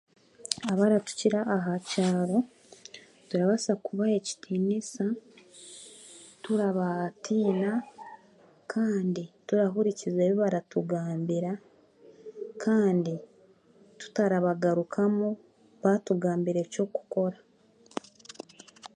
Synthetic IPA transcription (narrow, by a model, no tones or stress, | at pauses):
aβaɾatu̥ciɾaʔːɦacaːɾo̞ | tuɾaβasakuβae̞ci̥tʰiːnisa | tuɾaβatʰiːna | kʰaːndituɾaɦuɾicizeːβoβaɾatuɡaːmbiɾa | kʰaːndi | tu̥taɾaβaɡaɾukʰamu | βatuɡaːmbiɾe̞co̞ku̥ko̞ɾa